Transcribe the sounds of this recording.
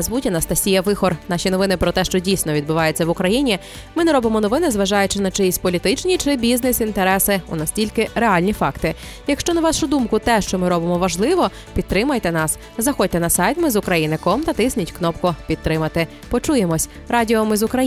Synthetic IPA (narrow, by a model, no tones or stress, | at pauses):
zʋutʲɐnɐst̪ɐsʲijɐʋɪxɔrnɑʃʲin̪ɔʋɪnɪpɾɔt̪ɛʃt͡ʃɔdʲijsʲnɔʋʲid̪bʊʋɑjet͡sʲːɐʋʊkɾɐjinʲi | mɪnɛɾɔbɪmɔnɔʋɪnɪzʋɐʒɑjʊt͡ʃɪnɐt͡ʃɪjisʲpɔlʲit̪ɪt͡ʃnʲit͡ʃɪbʲiznɪsint̪eɾɛsɪṵnɐsʲtʲilʲkɪɾeɑlʲnʲifɑkt̪ɪ | jɐkʃt͡ʃɔnɐʋɑʃʊd̪umkʊt̪ɛʃt͡ʃɔmɪɾɔbɪmɔʋɐʒlˠɪʋɔ | pʲid̪̚t̪ɾɪmɐjt̪ɛnɑs | zɐxɔt̚ʲt̪ɛnɐsɑjt̪mɪzʊkɾɐjinɪkɔmt̪ɐt̪ɪsʲnʲitʲknɔpkʊpʲidt̪̚t̪ɾɪmɐt̪ɪ | pɔt͡ʃujemɔsʲ | ɾɑdʲiɔmɪzʊkɾɐj